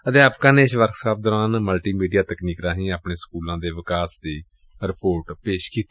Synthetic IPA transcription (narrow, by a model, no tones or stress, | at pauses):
ət̪eːaːpkãːneːɪsʋəɾksaːp̚d̪ɔːɾaːnməlʈiːmiːɖijaːt̪əkniːkɾaːɦĩːaːpɳeːskuːlãːd̪eːʋɪkaːsd̪iː | ɾɪpoːɾʈpeːʃkiːt̪